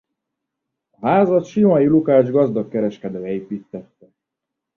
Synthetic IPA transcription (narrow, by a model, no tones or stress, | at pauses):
ɒɦaːzɒt̪ʃimɒjilukaːʒɡɒzd̪ɒkːɛɾɛʃkɛd̪øːɛiːpiːt̪ːɛt̪ːɛ